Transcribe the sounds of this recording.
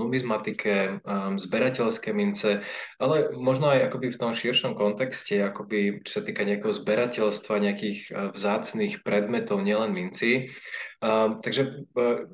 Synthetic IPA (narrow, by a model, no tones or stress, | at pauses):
umizmat̪ikʰɛzbɛɾacɛʎskɛːmint͡sɛʔalɛmɔʒnɔajakɔbift̪ɔmʃiɾʃɔmkɔnt̪ɛkscɛakɔbit͡ʃɔ̥sat̪iːkaɲɛakɛɦɔzbɛɾacɛʎst̪ʋaɲɛakiːɣvzaːt͡sniːxpɾɛd̪mɛt̪ɔʊɲɪɛlɛnmint͡si | t̪aɡʒɛ